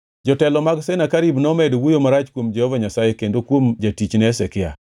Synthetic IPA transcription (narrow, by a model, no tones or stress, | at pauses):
d͡ʒɔtɛlɔmaɡsenakaɾibnɔmɛdwujomaɾat͡ʃkwomd͡ʒɛhɔvaɲasajekendokwomd͡ʒatit͡ʃnɛːsɛkɪa̰